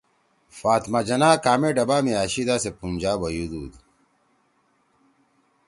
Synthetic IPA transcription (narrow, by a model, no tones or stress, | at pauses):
faːt̪mad͡ʑɐnaːkaːmeɖɐbaːmiaːɕid̪aːsepunʲd͡ʑaːbɐjud̪uːd̪